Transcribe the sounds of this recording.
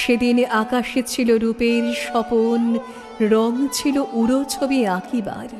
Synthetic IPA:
ʃed̪inʔakaʃit͡ɕʰiloɾupeɾʃɔpon | ɾɔŋt͡ɕʰiloʔuɾot͡ɕʰobiakiba̰ɾ

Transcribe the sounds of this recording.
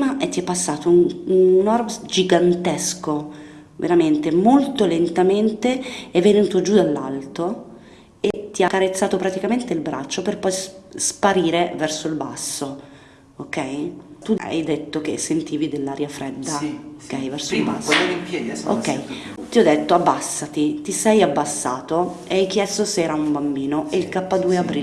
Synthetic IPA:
maʔet̪ːiɛpːasːaːt̪o | nɔrbd͡ʒiɡant̪ɛsko | vḛɾament̪emolt̪olent̪ament̪eɛvːenuːt̪od͡ʒud̪alːalt̪o | et̪ːiakːaɾet̪sːaːt̪opɾat̪ikament̪eilbɾa̰t͡ʃːoperpɔjsspaɾiːɾevɛrsoilba̰sːo | okːɛjt̪ua̰jd̪et̪ːokḛsːent̪iːvid̪elːaːɾjafɾɛd̪ːaokːɛjvɛrsoilbasːo | o̰kːɛjt̪iɔd̪ːet̪ːoabːasːat̪it̪isɛjabːasːa̰ːt̪oeajk̟jɛst̪oseɛːɾaumbambiːnoʔeilkapːad̪uːeapɾi

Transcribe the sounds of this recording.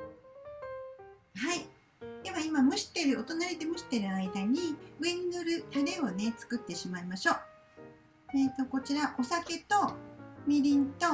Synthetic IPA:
hai | d̪̥e̞βaimamɯ̟ɕi̥t̪e̞ɾɯ̟o̞t̪o̞naɾʲid̪e̞mɯ̟ɕi̥t̪e̞ɾɯ̟aid̪aɲ̟iɯennɯɾɯ̟ɯɾe̞o̞ne̞t͡sɨ̥kɯ̟t̪ːe̞ɕimaimaɕo̞ː | et̪o̞ko̞t͡ɕiɾaʔo̞sake̞t̪o̞mʲiɾʲĩnt̪o̞

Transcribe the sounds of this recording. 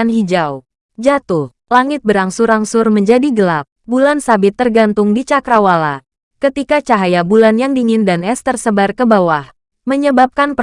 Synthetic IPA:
nhid͡ʒaw | d͡ʒat̪ʊh | laŋɪt̪̚bəɾaŋsʊɾaŋsʊrməɲd͡ʒadiɡəlap̚bulansabɪt̪ːərɡant̪ʊŋdit͡ʃakɾawala | kət̪ikat͡ʃaɦajabulanjaŋdiŋɪndanɛst̪ərsəbarkəbawah | məɲəbap̚kanpə

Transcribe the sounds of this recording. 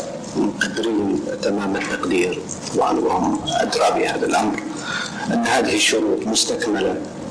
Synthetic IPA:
mqad̪ːɾiːnt̪amaːmat̪ːɑqd̪iːɾ | t̪ˤɑwbʕɑ̰nwhʊmʔa̰d̪ɾˤɑbihaːðalʔamɾ | ʔɪnːhaːðɪhiʃːʊɾuːt̪mʊst̪akmala

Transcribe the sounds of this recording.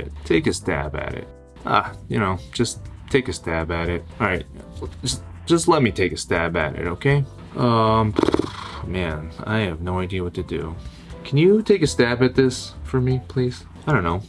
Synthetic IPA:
tʰeɪkɨstæ̰bɨ̰ɾɪ̰t̚ | ʔʌ̰jɨñoʊd̥ʒ̥ʌstʰeɪkɨstæbɨɾɪt̚ɑɹaɪt̚ | ʒʌs | ʒ̥ʌstˡlɛt̚mitʰeɪkɨstæbɨ̰ɾɪ̰ɾoʊkʰeɪ | ʔʌ̃mpmæ̃na̰ɪɨvnoʊaɪdiɨwʌtʰɨdɨ̰ | kʰnjɨtʰeɪkɨstæbɨt̪̚ðɪsfə˞mipʰl̥iz̥ | aɪdõnːoʊ

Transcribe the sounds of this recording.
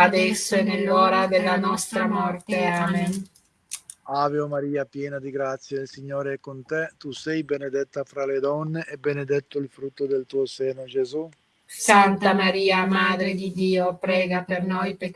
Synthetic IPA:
ad̪ɛsːoenelːɔːɾad̪elːanɔst̪ɾamɔrt̪eaːmen | aːveomaɾiːapjɛːnad̪iɡɾat̪sːjailsiɲːoːɾeɛkːont̪ɛt̪usɛjbened̪ɛt̪ːafɾaled̪ɔnːeʔebened̪ɛt̪ːoilfɾut̪ːod̪elt̪uːoseːnod͡ʒezu | sant̪amaɾiːamaːd̪ɾed̪id̪iːopɾɛːɡapernojpek

